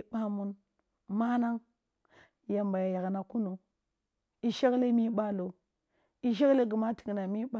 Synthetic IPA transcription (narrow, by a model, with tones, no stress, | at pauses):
ɓa˦mu˦n | ma˦na˦ŋ | ja˨mba˨ja˨ja˨ɡna˨ku˦nu˨ | i˨ʃa˦kle˦mi˦ɓa˦lo˨ | i˨ʃ̬e˦kle˦ɡi˨ma˦ti̥˨ɡna˨mi˦ɓa˦